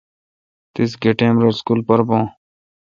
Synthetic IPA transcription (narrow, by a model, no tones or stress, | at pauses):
t̪ɪsɡeʈẽːmɾoːskuːlpəɾbõː